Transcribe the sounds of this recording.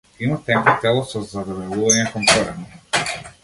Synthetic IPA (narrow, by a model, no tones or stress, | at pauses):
imat̪ɛŋkɔt̪ɛlˠɔsɔzad̪ɔvɛlˠuvaɲɛkɔmkɔɾɛni